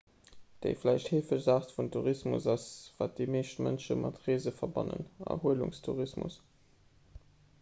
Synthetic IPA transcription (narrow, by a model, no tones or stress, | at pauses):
d̥ə̰ɪflæɪʃtheːfəʃzaːχtfuntʰuʁismṵsɑsvaːt̚d̥imeːʃtmə̰nʃə̰mʔɑtʁeːzəfɐbɑnə̰nɑ̰huəlṵŋstʰuʁismṵs